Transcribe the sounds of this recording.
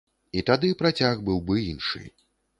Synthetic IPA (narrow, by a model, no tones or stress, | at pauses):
it̪ad̪ɨpɾat͡sʲaɣbɨwbɨinʂɨ̰